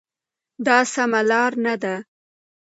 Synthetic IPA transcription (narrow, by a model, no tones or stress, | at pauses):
d̪ɑsamalɑɾnad̪a